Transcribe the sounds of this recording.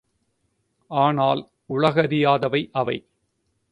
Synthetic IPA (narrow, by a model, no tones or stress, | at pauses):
ʔaːnaːl | ʊɻɐɣɐɾɪjaːðɐʋɐɪʔɐʋɐ̰ɪ